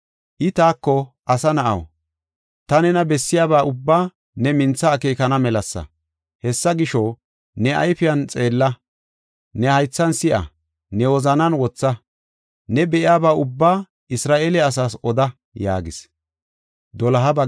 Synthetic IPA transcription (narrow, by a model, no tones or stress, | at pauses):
ʔɪt̪aːkːɔʔɐsɐnɐʔɐ̰w | t̪ɐnɛnɐbɛsːɪjaːbaːʔʊbːaː | nɛmɪnt͡sːɐːkeːkɐnɐmɛlɐsːɐ̰ | hɛsːɐɡɪʃɔ | nɛʔɐ̰jfɪjɐnt͡sʼe̞ːlːɐ | nɛhɐjt͡sːɐnsɪʔɐ̰ | nɛwɔzɐnɐnwɔt͡sːɐ | nɛbɛʔɪjaːbaːʊbːaː | ɪsɾaːʔeːlɛɐs̬aːsɔd̪ɐ | ja̰ːɡɪs | d̪ɔlɐɦɐbɐ